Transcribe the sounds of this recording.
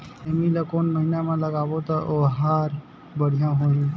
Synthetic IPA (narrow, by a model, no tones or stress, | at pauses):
emiləkonməɦinamãləɡabot̪əʔoɦaɾ | bəɽ̤ijãɦoɦĩ